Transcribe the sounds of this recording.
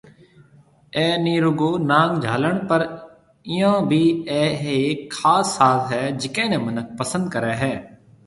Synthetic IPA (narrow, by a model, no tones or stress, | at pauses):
ɛːniːɾʊɡoːnãːŋɡd͡ʒʱaːləɳpəɾ | ɪjãːbʱiːɛːɦekʰːaːsːaːt̪ɦɛːd͡ʒɪkẽːnɛ̃ːmənək̚ʰpəsə̃nd̪̚kəɾɛːɦɛː